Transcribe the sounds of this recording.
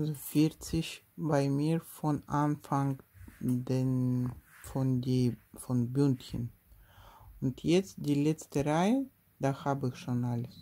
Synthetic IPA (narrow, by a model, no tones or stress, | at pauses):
azofɪʁt͡sɪç | baɪmiːʁfɔnʔanfaŋ | denfɔndiːfɔnbyntçən | ʊntjɛt͡st̚d̥iːlɛt͡stəʁaɪə | d̥ahaːbəɪçʃoːnʔaləs